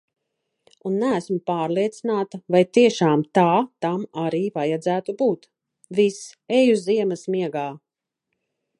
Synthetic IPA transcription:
unːææsmupaːɾlˠiɛt̪sinaːt̪ɐvajt̪iɛʃaːmt̪aːt̪amaɾiːvajad̪zæːt̪ubuːt̪ | visɛjuziɛmɐsmiɛɡaː

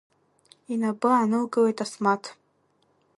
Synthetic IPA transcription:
inabɨanɨlɡɨlejtʼasmatʰ

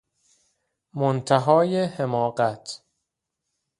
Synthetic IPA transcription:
mont̪ʰæɦɒːjehemɒːɢæt̪ʰ

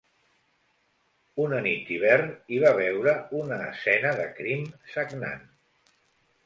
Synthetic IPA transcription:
unənit̪iβɛrniβ̞aβ̞ɛwɾəunəːsɛnəðəkɾimsəɡna̰n

